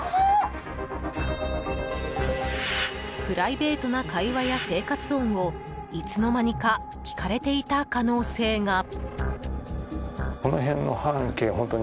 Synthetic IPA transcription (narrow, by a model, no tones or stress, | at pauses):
pɯ̟ɾaibe̞ːt̪o̞nakaiβajase̞ːkat͡sɨõ̞ŋ̃o̞ | it͡sɨno̞maɲ̟ika | kʲi̥kaɾe̞t̪e̞it̪akano̞ːse̞ːŋa | o̞noɦẽ̞nːo̞̰hãŋke̞ːhõ̞nt̪oɲ